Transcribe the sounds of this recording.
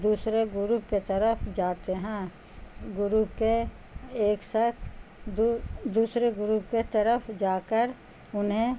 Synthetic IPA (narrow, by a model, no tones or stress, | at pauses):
d̪uːsɾeɡʊɾuːpket̪əɾəpʰd͡ʒaːt̪eɦɛ̃ | ɡʊɾuːpke | eːksəkʰd̪d̪uːsɾeɡʊɾuːp̚ket̪əɾəpʰd͡ʒaːkəɾ | ʊnɦẽ